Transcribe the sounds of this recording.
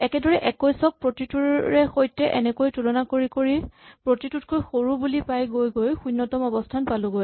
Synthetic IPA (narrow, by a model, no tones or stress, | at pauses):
ɛkɛdɔɹɛʔɛkɔjsɔk̚pɹotituɹɛxojtɛʔɛnɛkojtulɔnakoɹikoɹipɹotitutkojxoɹubulipajɡojɡojxunːɔtɔmɔbɔstʰanpaluɡoj